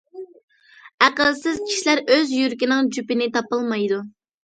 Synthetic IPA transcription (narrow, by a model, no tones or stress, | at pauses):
æqəlˠsɪz̥kʲʰi̥ʃlæɾøzjyɾkʲinɪŋd͡ʒypɪnɪt̪ɑpɨlˠmɑjd̪u